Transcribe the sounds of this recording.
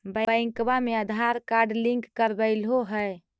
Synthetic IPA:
bəəj̃ŋkbameəd̪ʱaɾkaɾɖlĩŋkːəɾbəɪlɦoɦəj

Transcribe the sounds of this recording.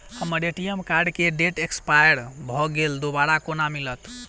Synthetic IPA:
həmːəɾeʈijemkaɾɖkeɖeʈekspajəɾbʱɔɡeld̪obaɾakonamilət̪

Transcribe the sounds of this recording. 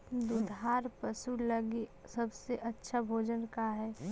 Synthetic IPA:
d̪ʊd̪ʱaːɾpəsuləɡi | səbseʔɐtːʃʰabʱoːd͡ʒənkaɦɛː

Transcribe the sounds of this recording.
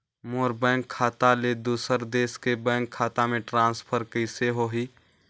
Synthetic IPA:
moːɾbɛ̃ːŋkʰːaːt̪aled̪uːsəɾd̪eːskebɛ̃ːŋkʰːaːt̪amẽʈɾãːnspʰəɾkəɪseɦoɦiː

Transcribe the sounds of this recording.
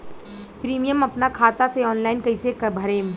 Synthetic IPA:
pɾiːmijəmɐpnakʰaːt̪aseɔːnlaːɪnkɐɪsekɐbʱɐɾẽːm

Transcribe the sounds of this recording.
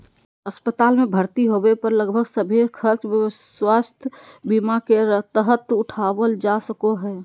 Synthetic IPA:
əspət̪aːlmẽbʱəɾt̪iɦobepəɾləɡbʱəɡsəbʱekʰəɾt͡ʃbjəwast̪ʰbimakeɾət̪əɦət̪ʊʈʰawəld͡ʒasəkoɦɛː

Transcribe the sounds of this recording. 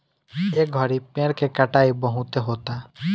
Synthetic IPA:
eɡʱɔɾipẽːɽkekəʈaːibəɦũt̪eɦoːt̪a

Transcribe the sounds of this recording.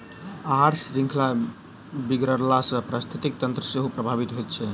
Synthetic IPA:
aɾsɾĩŋkʰla | biɡɾəɾlasə̃pɾast̪ʰit̪ik̚t̪ənt̪ɾəseɦupɾəbʱabit̪ɦojt̪̚t͡ʃʰɛ

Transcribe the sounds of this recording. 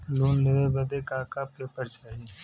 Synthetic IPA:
loːnleʋebəd̪ekaːkaːpeːpəɾt͡ʃaːɦi

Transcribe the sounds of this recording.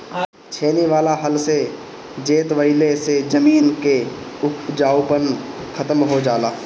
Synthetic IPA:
t͡ʃʰeːniʋaːlaɦɐlse | d͡ʒeːt̪ʋəɪlesed͡ʒɐmiːnke | ʊkd͡ʒaːwpənkʰɐt̪əmɦod͡ʒaːlaː

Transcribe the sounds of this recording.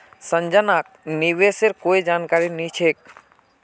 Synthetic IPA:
sə̃ɲd͡ʒənak̚ | niʋeseɾkoːid͡ʒaːnkaɾinit͡ʃʰek̚

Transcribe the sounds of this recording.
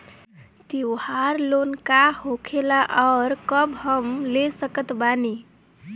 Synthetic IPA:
t̪iwhaɾlonkahokʰelaʔɔɾkʌbɦʌmlesəkət̪bani

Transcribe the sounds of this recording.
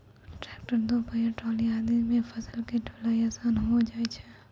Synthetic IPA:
ʈɾɛːk̚ʈəɾd̪opəjẽʈɔːliaːd̪imẽfɐsəlkiʈolaːiaːsaːnɦod͡ʒaːet͡ʃʰɛ

